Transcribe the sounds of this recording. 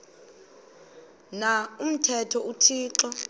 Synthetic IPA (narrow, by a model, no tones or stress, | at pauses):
naum̩tʰɛtʰɔutʰiːǁɔ